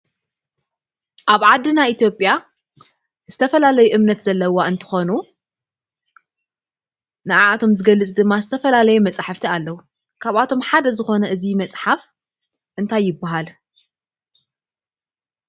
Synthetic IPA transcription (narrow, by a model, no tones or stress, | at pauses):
ʔaβʕad̪ːɨnait̪ʰjo̞pʼja | zɨt̪ʰɐfɐlalɐjuʔɨmnɐt̪zɐlːɐwaɨnt̪ʰɨ̥xo̞nu | nɨʕaat̪ʰo̞mzɨɡɐlːɨt͡sʼd̪ɨmːazɨt̪ʰɐfɐlalɐjumɐt͡sʼħaft̪ʰialːɐwu | kʰaβat̪ʰo̞mħad̪ɐzɨxo̞nɐʔɨzimɐt͡sʼħaf | ʔɨnt̪ʰajːɪbːaɦal